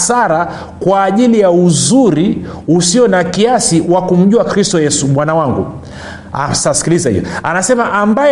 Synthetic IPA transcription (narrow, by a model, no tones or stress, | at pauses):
saɾa | kwaːʄilijauzuɾiusiɔnakiasiwakum̩ʄuakɾistɔjɛsuɓwanawaŋɡṵ | a̰sasi̥kilizahḭjɔ̰a̰nasɛmaʔamba